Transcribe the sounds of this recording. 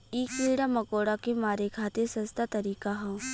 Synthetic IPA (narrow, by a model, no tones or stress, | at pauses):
iːkiːɽamɐkoːɽakemaːɾekʰaːt̪esɐ̃st̪at̪ɐɾiːkaɦɛ̃ː